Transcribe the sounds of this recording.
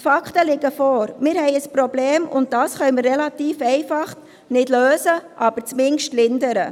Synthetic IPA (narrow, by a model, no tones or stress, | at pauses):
fɑkχtəlɪɡəfɔːɾmɪːɾhɛɪəspɾɔbleːmʊ̰nt̚d̥ɑːsχœʏmərːɛlɑtiːfɛɪfɑχ | nɪdløːzəʔɑːb̥əɾt͡smɪŋʃtlɪndəɾə